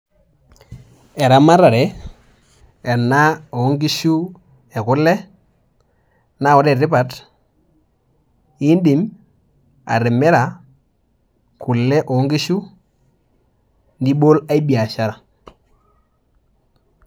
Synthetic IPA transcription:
ɛ˨ɾa˨˦ma˦ɾa˨ɾɛ˨˦ | ɛ˨na˦o˨˦ŋɡi˦ʃu˦ | ɛ˨kʊ˦lɛ˦ | na˦˨wɔ˦ɾɛ˨ɾɪ˦pa˨t | i˦ndi˨m | a̰˨ɾɪ˨mɛ˦ɾa˨ | ku˨lːɛ˦ʔo˨˦ŋɡi˦ʃu˦ | ndi˦bo˦la˦i˦bi˨a˨ʃa˦ɾa˨

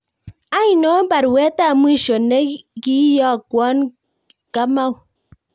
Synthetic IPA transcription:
a˦i˨no˨˦ba˨ɾwɛ˨˦ta˦˨m˦i˦ʃo˨ne˦ki˦jɔ˦˨kwɔ˦n | ka˦ma˦w

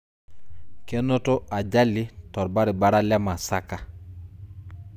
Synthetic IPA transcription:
kɛ˦no˦to˦a˨ɟa˦li˦tɔ˨ɾba˦ɾi˨ba˦ɾa˦lɛ˦ma˨sa˦ka˦

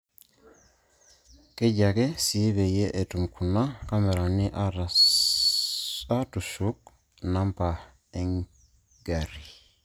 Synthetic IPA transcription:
ke˦ɟa˨ɡɛ˦si˨˦βe˨je˦ʔe˨tu˨mkʰu˨na˦ka˦mɛ˨ɾa˨ni˦ʔa˦ | a˦tu˨su˦k̚ | na˦mpa˨ | ɛ˦ŋ | ɡa˨ɾi˨

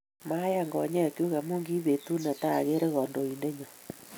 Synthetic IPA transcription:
ma˦ja˦˨ŋɡɔ̰˨ɲa˦˨kju˦ɣa˨mu˦ŋɡi˦βe˨tu˦na˨ta˦˨ɣe˦ɾe˦ɣɔ˨ndo˨i˨nde˦ɲɔ˨

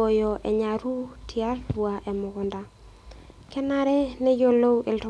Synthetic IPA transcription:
o˨jo˨ʔɛ̰˨ɲa˨ɾu˦tʰja˦rwa˨ʔɛ˨mʊ˨kʊ˨nda˨ | kɛ˦na˦ɾɛ˦nɛ˦jo˦lo˦wʔe˨ltɔ˦

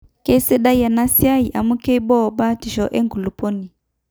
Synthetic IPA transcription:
ke˦se˦ɗa˦ja˨na˦sja˦i˨ʔa˨mu˦ke˦bɔ˦˨ba˦ti˨ʃɔ˨ʔɛ˦ŋɡu˨lu˨pɔ˦ni˨

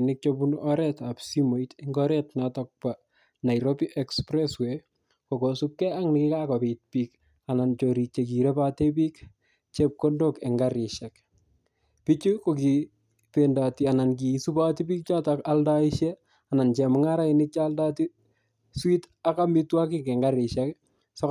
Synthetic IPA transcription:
nɪk̚t͡ʃobunɔɾɛtapsimo˨itɪŋɡɔɾɛtnatɔk̚pa | na˨jɾobiʔɛkspɾɛswe | ko˨kosu˦kːɛ˦a˦ŋnɪkɪka˦kopit̚pik | a˨na˨nt͡ʃoɾi˨t͡ʃe˨k̬i˨ɾe˦pa˦tepiː˦k | t͡ʃep̚ko˦ndokɛ˨ŋɡaɾɪʃɛk | pi˦t͡ʃu˦ko˨ki˨ | pendatia˨na˨nk̬i˨su˦pa˦ti˦piː˦k̚t͡ʃa˦taka˦lda˦iʃje | a˨na˨nt͡ʃɛ˨mʊ˦ŋa˦ɾa˦inɪ˦k̚t͡ʃaːlda˦ti˦ | swi˦t | a˦ka˦mɪtwa˦k̬ɪ˦kɛ˨ŋɡa˦ɾɪ˨ʃak | sɔ˦

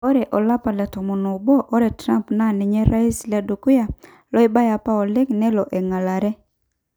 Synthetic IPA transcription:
ɔ˦ɾɛ˨ʔɔ˨la˦pa˨lɛ˨tɔ˨mɔ˨no˨bɔ˦ʔɔ˦ɾɛ˨tɾa˦mpna˦nɪ˨ɲɛ˦ɾa˦i˦slɛ˦du˨ku˦ja˨ | lɔ˦ɪ˦ba˦ja˨pa˦ɔ˨lɪ˦knɛ˦lɔ˨ʔɛ˨ŋa˨la˨ɾɛ˦

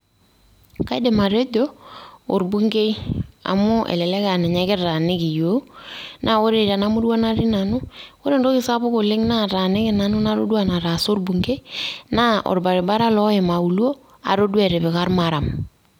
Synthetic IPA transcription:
ka˦i˦de˨ma˨ɾe˦do˦o˨ɾbu˦ŋɡe˦i˦a̰˨mʊ˦ʔɛ̰˨lɛ˨lɛ˦ka˨nɛ˨ɲa˦kɪ˦ɾa˨nɪ˦ki˨jo˦nʔa˦o˦ɾe˨ɾa˨na˦mʊ˦dwa˦na˦ɾɪ˦na˨nʊ˦ko˦ɾe˦ndo˦kɪ˨sa˦bʊ˦ko˨lɪ˦ŋna˦ɾa˨nɪ˦kɪ˨na˨nʊ˦na˦ɾo̰˦dwa˨na˨ɾa˨so˦ɾbu˨ŋɡe˦i˦na˦o̰˨ɾba˨ɾɪ˨ba˦ɾa˦lɔ˦e˨ma˨u˨lo˦ | a̰˨ɾo˦dwɛ˨ɾɪ˨βɪ˨ka˦ɾma˨ɾa˨m

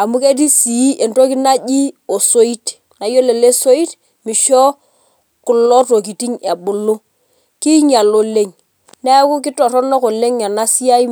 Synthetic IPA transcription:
a˨mu˦ke˦t̬i˦si˨˦ʔe˨nto˦ki˦na˦ʄi˦o˨so˦i˦t | na˨jo˦le˨le˦so˦i˦t | mi˨ʃɔ˦ | kʊ˨lɔ˦to˨k̬i˨ti˦ɲa˨ɓʊ˨lo˦ | ki˦ɲa˨lo˨le˦ŋ | nɛ˦ku˦k̬ɪ˦tɔ˨ɾɔ˦nɔ˦ko˨le˦ŋɲa˨na˦si˦a˦i˦

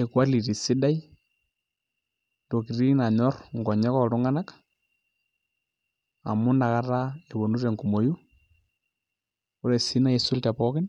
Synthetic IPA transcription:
e˨kwa˦li˨ɾi˨si˦da˦i˦ | to˨ki˨ɾi˦na˨ɲɔ˦rŋɡɔ˨ɲɛ˦kɔ˦ɾu˦ŋa˦na˦k | a̰˨mu˦na˨ka˦ra˦e˨βo˨nu˦ɾɛ˨ŋku˨mo˨ju˦ | u˦ɾɛ˨si˦na˦i˦su˦ltɛ˨pɔ˦kɪ˦n

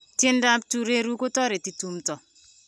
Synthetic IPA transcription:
tɪ˦nda˦p̚tu˦ɾe˦ɾu˦ko˦tɔ˦ɾe˨ti˨tu˨mtɔ˨

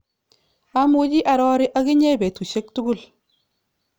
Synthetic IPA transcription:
a˦mu˦d͡ʒi˦ʔa˨ɾɔ˦ɾɪ˦ʔa˦ɡɪ˦ɲɛ˦bɛ˨tu˨ʃe˦k̚tu˦ɡu˦˨l

